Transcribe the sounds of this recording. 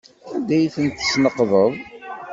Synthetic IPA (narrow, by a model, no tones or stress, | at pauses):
ænd̪æjθənt̪ːə̥snəqðˤəðˤ